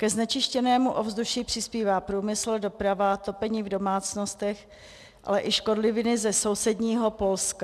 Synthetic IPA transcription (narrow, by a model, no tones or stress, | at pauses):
kɛznɛt͡ʃɪʃcɛnɛːmuʔo̞vzduʃipr̥ɪspiːvaːpɾuːmɪsl̩do̞pɾavat̪o̞pɛɲiːvdo̞maːt͡snost̪ɛx | ʔa̰lɛʔɪʃko̞dlɪvɪnɪzɛso̞wsɛdɲiːɦo̞po̞lska